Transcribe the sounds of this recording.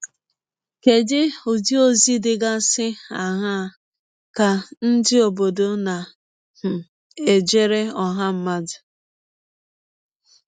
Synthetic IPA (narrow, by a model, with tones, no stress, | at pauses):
ke˨dɪ˦o˨d͡ʒi˦o˦zi˦dɪ˦ɡa˦sɪ˦a˨ɦa˦ | ka˨n̩˦dɪ˦o˨bo˨do˦na˨ | hʊ˨ | e˨d͡ʒe˦ɾe˦ɔ˨ɦa˦m̩˦ma˦dɪ˨